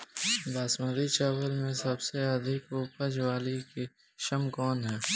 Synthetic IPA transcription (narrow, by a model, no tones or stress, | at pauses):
baːsməɾit͡ʃɛːʋəlmẽsɐbseəd̪ʱɪkoːpəd͡ʒwaːlike | ʃɐmkɔːnɦɛː